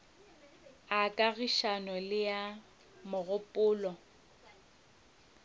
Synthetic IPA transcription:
akʼaɣiʃanɔlɪja | mʊɣʊpʼʊːlɔ

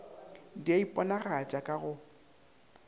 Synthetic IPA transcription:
diaipʼɔnaɣat͡ʃʼakʼaɣʊ

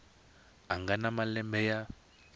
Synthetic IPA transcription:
aŋɡanamalɛmbɛja

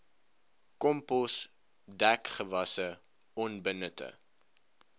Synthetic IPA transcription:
kɔmpɔs | dækχəvɐsə | ɔnbənətə̰

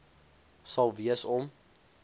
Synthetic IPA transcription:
sɐlˠviəsɔm

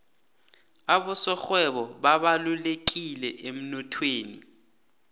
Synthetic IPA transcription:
aɓɔsɔxwɛɓɔɓaɓalulek̬ilɛʔem̩nɔtʰweːni

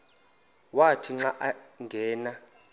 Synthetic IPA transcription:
watʰiŋ͡ǁaʔaŋɡʱɛːna

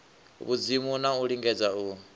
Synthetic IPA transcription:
βud͡zimunauɺiŋɡɛd͡zau

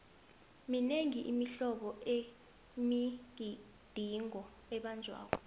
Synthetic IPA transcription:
mineŋiʔimiɬɔɓɔʔe | mik̬i | d̥ʱiŋɔ | ɛɓand͡ʒʱwa̰ːk̬ɔ̰

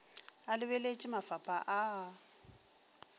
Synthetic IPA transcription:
alɪβɛlet͡ʃʼɪmafapʼaʔa

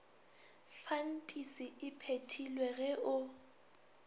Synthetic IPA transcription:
fan̩tʼisiɪpʰetʰilwɛɣɛʔʊ

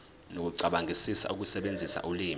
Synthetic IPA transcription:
nok̬uǀaɓaŋʱisisa̰uk̬usɛɓend͡zʱisa̰ʔuliːm

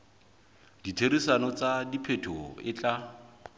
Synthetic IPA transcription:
d̥itʰeɾisanɔt͡sadipʰetʰɔɪt͡ɬʼa

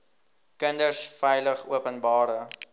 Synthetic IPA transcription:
kəndərsfɛjləχuəpənbɑːɾə

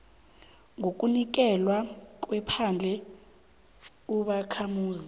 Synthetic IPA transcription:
ŋʱok̬ʼunik̬ɛlwak̬ʼwɛpʰand͡ɮʱɛ | uɓakʰamuːzi

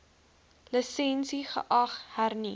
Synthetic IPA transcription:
ləsɛnsiχə̰ʔɐχhærni

